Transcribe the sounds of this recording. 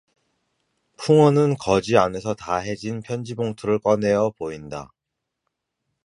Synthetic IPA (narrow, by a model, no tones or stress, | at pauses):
pʰuŋʌnɯnkʌd͡ʑiane̞sʰʌtaɦe̞d͡ʑinpʰjʌnd͡ʑiboŋtʰuɾɯɭk͈ʌne̞jʌpoinda